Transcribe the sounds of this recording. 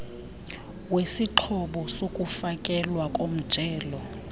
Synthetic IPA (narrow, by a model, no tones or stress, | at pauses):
wesiǃʰɔɓɔsokʼufakʼɛlwakʼom̩d̥ʒ̥ʱɛːlɔ